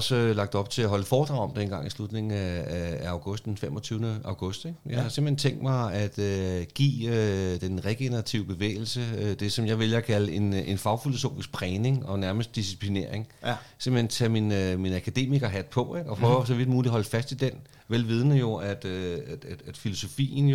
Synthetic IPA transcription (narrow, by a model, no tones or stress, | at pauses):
ɒsəlɑ̈ɡ̥d̥ɒ̽b̥̚t͡sʰe̝læɦɒ̽ləfɒːd̥ʁɑ̈ʊɒ̽md̥enɡ̥ɑ̈ŋ̰islud̥ne̝ŋŋ̩ææɑ̈ʊɡ̥ɔ̽sd̥enfemɒ̽t͡sʰyːʊnəɑ̈ʊɡ̥ɔ̽sd̥eɡ̥jɑɪhɑse̝m̥lhent͡sʰeŋ̰ɡd̥mɑ̈ɪæd̥øɡ̥ḭːød̥enʁeɡ̥e̝nəʁat͡sʰiʊb̥e̝ʋḛːɪl̩səød̥e̝sɒ̽mjɑ̈ɪʋe̝ljɐkʰæləe̝ne̝nfɑ̈ʊfilo̝so̝̰ːfisɡ̥̚pʰʁɛːne̝ŋɒ̽næɐməsd̥isi̥pʰline̝ɐeŋsem̰̩hent͡sʰæminminækʰæd̥e̝̰ːmiɡ̥ɐɦæd̥pʰɒ̽eɡ̥ɒ̽pʰʁœːʊɐs̬ɒ̽ʋid̥muːlihɒ̽l̰fæsd̥id̥en | ʋelʋið̞ˠnəjo̝æd̥ø̥æ̥æd̥filo̝so̝fḭːn̩j